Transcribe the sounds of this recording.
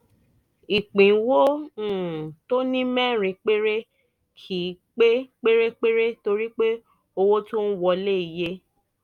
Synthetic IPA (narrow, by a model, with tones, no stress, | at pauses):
i˨k͡pĩ˨˦wo˦˨ | to˦nĩ˦mɛ̃˦˨ɾ̃ĩ˧k͡pe˦ɾe˦ | kʰi˦k͡pe˦k͡pe˦ɾe˦k͡pe˦ɾe˦to˧ɾi˦k͡pe˦ | o˧wo˦to˦n̩˦wɔ˧le˦i˨je˦